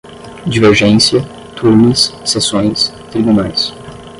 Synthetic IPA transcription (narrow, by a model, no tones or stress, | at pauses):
d͡ʒiveɾʒẽsiɐ | t̪ʰuɾnɪsːesõj̃s | t̪ɾibunajs